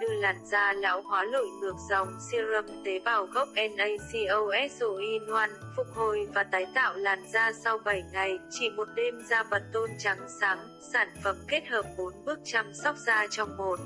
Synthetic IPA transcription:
ɗɨ˨˧laː˨˩nzaː˧la̰ː˧˥whwaː˨˦lo̰˧˨jnɨ˨˩ək̚zə̰˨˧˨wŋ͡msi˧əzə˧˩m̚t̪e˨˦ɓaː˨˩wɣə˦˥wk͡p̚ʔɛ˧nʔə˧jsi˧ʔə˧wʔɛ˦˥t̚so˧˩ʔi˧nwa˧nfʊ˨˩k͡p̚ho˨˩jvaː˨˩t̪aː˨˦jt̪a̰ː˧˨wlaː˨˩nzaː˧sa˧wɓə˧˩jŋa˨˩jt͡ɕi˧˩mo˨˩t̚ɗe˧mzaː˧və˨˩t̚t̪o˧nt͡ɕa˨˦ŋsaː˨˦ŋ | saː˧˩nfə˨˩mke˦˥t̚həː˨˩p̚mo˨˦nɓɨ˦˥ək̚t͡ɕa˧msɔ˦˥wk͡p̚z̥aː˧t͡ɕɔ˧wŋ͡mmo˨˩t̚

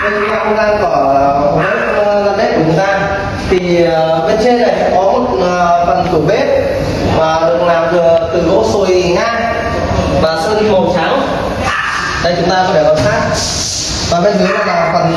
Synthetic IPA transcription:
a˧˩t͡ɕʊ˨˧˦t̪aː˧t͡ɕʊ˨˦ŋ͡mt̪aː˧ŋkɔ˧˩˨o˨˩o˦˥t̚za˧nɗe˦˥ku˧˨˩t͡ɕʊ˨˦ŋ͡mt̪aː˧ | t̪ʰi˨˩ə˨˩ɓe˧nt͡ɕe˧nːa˨˩jkkɔ˨˦mo˨˩t̚ːfə˨˩nk̪ɨ˧˩əɓe˦˥t̚ | maː˨˩ɗɨ˨˩ək̚laː˨˩mvɨ˨˩ət̪ɨ˨˩o˦˥t̚so˨˧˩i˨˩ŋaː˧ | maː˨˩so˧ni˧mo˨˩t͡ɕaː˨˦w | ɗə˧˩jt͡ɕʊ˨˦ŋ͡mt̪aː˧kɔ˧˦fʰe˧˩lə˨˩xaː˦˥k̚ | maː˨˩ɓe˧˦kɨ˨˦laː˨˩laː˨˩˨fə˨˩n

